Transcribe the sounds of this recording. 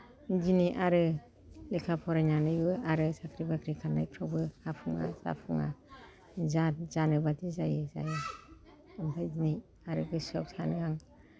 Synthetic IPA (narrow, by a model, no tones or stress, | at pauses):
d͡ʒiniʔaɾɯ | lekʰapʰɔɾajnanɯjbɯaɾɯsakʰɾibakʰɾikʰaɾna̰jpʰɾawbɯhapʰuŋa̰za̰pʰuŋa̰ | zaz̥anɯbatʰizajɯza̰jɯ | ɯmpʰajzini | aɾɯɡɯsɔp̚sanɯaŋ